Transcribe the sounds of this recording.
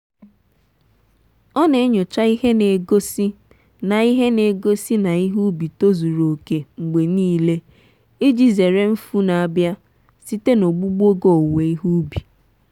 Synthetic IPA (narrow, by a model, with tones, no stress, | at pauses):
ɔ˦ne˨˦ɲʊ˨t͡ʃa˦i˦ɦe˦ne˨ɡo˦si˦ | na˨i˦ɦe˦ne˨ɡo˦si˦na˨i˦ɦu˦bi˨to˦zu˨ɾo˨ke˨ŋ͡m̩˨ɡ͡be˨niː˦le˦ | i˦d͡ʒi˨ze˨ɾe˦m̩˦fu˦na˨a˨bja˦ | si˦te˦no˨ɡ͡bu˦ɡ͡bo˦ɡo˨o˨we˨i˦ɦu˦bi˨